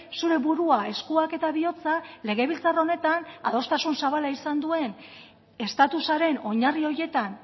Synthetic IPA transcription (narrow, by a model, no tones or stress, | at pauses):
suɾe̞βuɾuae̞skuake̞t̪aβio̞t͡sale̞ɣe̞βilt͡saro̞ne̞t̪ana̰ðo̞st̪asunsaβalaisand̪ue̞n | e̞st̪at̪usaɾe̞no̞ɲario̞je̞t̪an